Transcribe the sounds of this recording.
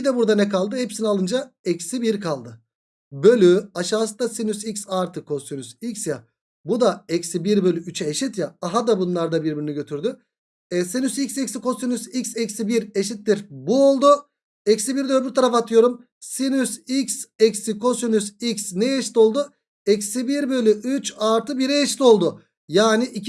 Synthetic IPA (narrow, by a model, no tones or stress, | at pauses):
id̪ɛbuɾd̪anɛkalˠd̪ɯhepsinialˠɯnd͡ʒaɛcsibiɾkʰalˠd̪ɯ | bø̞lʲyaʃaːsɯnd̪asinysicsaɾt̪ʰɯkʰo̞synysicsja | bud̪aɛcsibiɾbø̞lʲyyt͡ʃʰɛːʃit̪jaːɦad̪abunlˠaɾd̪abiɾbiɾiniɟø̞t̪ʰyɾd̪y | ɛsinysicsecsikʰo̞synysicsɛcsibiɾeʃit̪ːiɾbuo̞lˠd̪u | ecsibiɾd̪øːbyɾt̪ʰaɾafat̪ʰɯjo̞ɾum | sinysicsɛcsikʰo̞synysicsnɛjeʃi̥t̪o̞lˠd̪u | ɛcsibiɾbø̞lʲyʔyt͡ʃaɾt̪ʰɯbiɾɛeʃi̥t̪o̞lˠd̪ʊ | jaːniʔi